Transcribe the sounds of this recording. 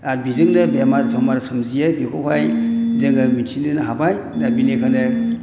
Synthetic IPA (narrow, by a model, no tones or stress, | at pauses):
aɾbizɯŋnɯbemaɾsɔmaɾsamzijabikʰɔɦʰajzɯŋamintʰinɯnɦabaj | dabinekʰanɯ